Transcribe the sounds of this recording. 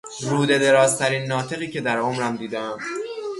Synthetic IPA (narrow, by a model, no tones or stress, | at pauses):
ɾuːd̪e̞d̪e̞ɾɒːzt̪ʰæɾiːnːɒːt̪ʰe̞ɣiːcʰe̞d̪æɾʔomɾæmd̪iːd̪eæm